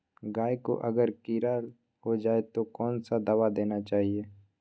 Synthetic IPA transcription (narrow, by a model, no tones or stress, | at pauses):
ɡaːjeko̰ʔɐɡəɾkiːɾaːl | ɦod͡ʒaːet̪okɔːnsad̪aːwad̪eːnat͡ʃaːɦieː